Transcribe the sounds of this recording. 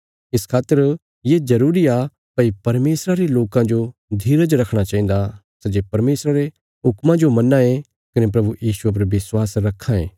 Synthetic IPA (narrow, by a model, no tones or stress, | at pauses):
ɪskʰaːt̪ːəɾ | jezɐɾuːɾia | pɐipɐɾmeːsɾaɾeloːkãd͡ʒod̪ʱiːɾət͡ʃɾɐkʰɽ̃at͡ʃãːĩːnd̪a | sɐd͡ʒeːpɐɾmeːsɾaɾe | ɦʊkmãd͡ʒomɐnːaẽ | kɐnep̬ɾɐbujiːsuep̬ɐɾʋɪswaːsɾɐkʰːãḛː